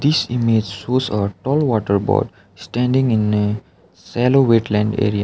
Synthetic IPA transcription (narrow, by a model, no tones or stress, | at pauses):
d̪isimeːd͡ʒsoːsəʈɔːlʋɔːʈəɾbɔ̰ːɖ | sʈɛ̃ːɳɖɪ̃ŋɪ̃n | sɛloʋeːʈlɛ̃ɳɖḛːɾia